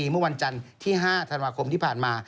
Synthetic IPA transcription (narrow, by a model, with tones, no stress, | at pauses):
iː˧mɯ˥˩ɐ˨˩wa˧nt͡ɕa˧nt̪ʰiː˥˩ɦaː˥˩t̪ʰa˧nwaː˧kʰo˧mt̪iː˥˩pʰaː˨˩nmaː˧